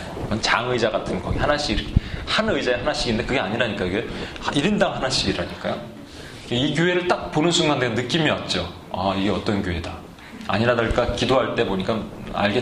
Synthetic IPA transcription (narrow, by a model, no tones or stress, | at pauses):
ɡʌnt͡ɕaŋɯid͡ʑaɡatʰɯnkʌɡihanaɕ͈iɡiɾkʰehanɯid͡ʑaeɦanaɕ͈iɡinde̞kɯɡe̞aɲiɾaɲik͈aiɡe̞iɾindaŋhanaɕ͈iɡiɾaɲik͈ajo | keikjoɦe̞ɾɯɭt͈ak̚ponɯnsʰuŋɡandenɯk͈imiʌt̚t͡ɕ͈o | aiɡe̞ʌt͈ʌnkjoɦe̞da | a̰ɲiɾadaɭk͈akidoɦaɭt͈e̞boɲik͈aa̰ɭɡe